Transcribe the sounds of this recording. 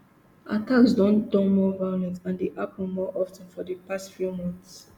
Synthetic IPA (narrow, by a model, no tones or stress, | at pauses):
ʔa̰taksdɔ̃ndɔ̃nmɔvalɛ̃tãndeʔapɔ̃mɔʔɔftə̃nfɔdəpastfjumɔ̃nθs